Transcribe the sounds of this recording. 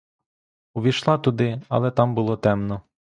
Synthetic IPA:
ʊʋʲiʃlˠɑt̪ʊd̪ɪɐ̰lˠɛt̪ɑmbʊlˠɔt̪ɛmnɔ

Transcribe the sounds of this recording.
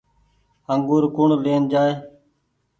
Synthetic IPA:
əŋɡuːɾkʊɳleːnd͡ʒaːeː

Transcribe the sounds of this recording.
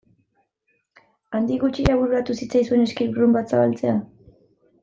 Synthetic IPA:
and̪iɣut͡ʃiɾaβuɾuɾat̪usit͡sajsue̞ne̞skiɾβɾumbat̪saβalt͡se̞a

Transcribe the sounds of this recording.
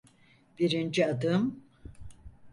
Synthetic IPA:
b̥iɾind͡ʒiad̪ɯm

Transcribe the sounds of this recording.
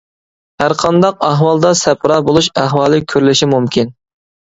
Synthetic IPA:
hæɾqʰɑnd̪ɑqɑɦwɑlˠd̪ɑsɛpʰɾɑːbolˠuʃæɦwɑːlˠɨkʲʰøɾlɪʃimumkʲin

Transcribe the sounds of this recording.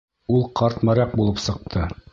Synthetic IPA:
ulˠqɑɾt̪mɑɾɑq̚bulˠɤpsɤ̆q̚t̪ʰɤ

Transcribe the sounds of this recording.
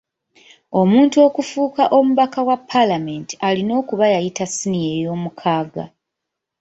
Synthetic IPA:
o̞muːntuo̞ːkufuːkaʔo̞muβakawapʰːalame̞nti̥alino̞ːkuβajajitasinije̞jo̞ːmukʰaːɡa̰

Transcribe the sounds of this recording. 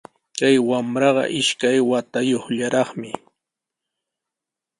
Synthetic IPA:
kajwamɾɑɢɑ̰ʔɪʃkajwat̪ajoχʎaɾɑχmɪ

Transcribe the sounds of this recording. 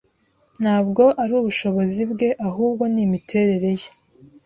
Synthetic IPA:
n̥haːbɡo̞ʔaɾuːβuʃo̞βo̞zibɡe̞ʔaɦuːbɡo̞nimitʰe̞ːɾe̞ɾe̞je

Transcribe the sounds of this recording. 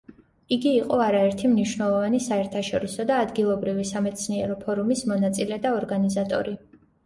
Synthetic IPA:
iɡiːqʼɔaɾaɛɾt̪ʰimniʃwnɛlˠɔvanisaɛɾt̪ʰaʃɔɾisɔd̪aːd̪ɡilˠɔbɾivisamɛt̪sʰniɛɾɔpʰɔɾumismɔnat̪sʼilɛd̪aɔɾɡanizat̪ʼɔ̰ɾi

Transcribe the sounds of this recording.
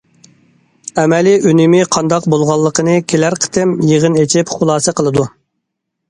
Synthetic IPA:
ɛmɛliynɪmɪqʰɑnd̪ɑqbolˠʁɑlˠːəqʰənɨkʲʰelæɾqʰə̥t̪ʰɪmjeʁənet͡ʃʰipχʊlˠɑːsɨqʰəlˠɨd̪u

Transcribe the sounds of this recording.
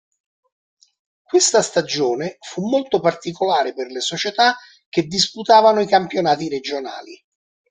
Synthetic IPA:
kwest̪ast̪ad͡ʒoːnefumːolt̪opart̪ikolaːɾeperlesot͡ʃet̪a | k̟ːed̪ːisput̪aːvanoikampjonaːt̪iɾed͡ʒona̰ːlḭ

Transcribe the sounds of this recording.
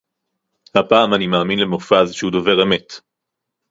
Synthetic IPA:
hapaːmanimaːminlemofazʃehudove̞ʁe̞me̞t

